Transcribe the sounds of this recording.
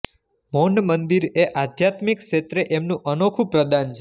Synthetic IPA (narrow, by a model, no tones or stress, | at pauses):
monəmənd̪iɾeʔad̪jat̪mikʃet̪ɾeʔemnũʔənokʰupɾəd̪ant͡ʃʰe